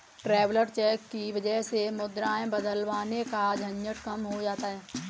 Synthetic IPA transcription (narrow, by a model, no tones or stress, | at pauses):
ʈɾɛːʋləɾt͡ʃɛːkːiʋɐd͡ʒəɦsemʊd̪ɾaːẽbɐd̪əlʋaːnekad͡ʒʱɐ̃ɲjəʈkɐmɦod͡ʒaːt̪aɦɛː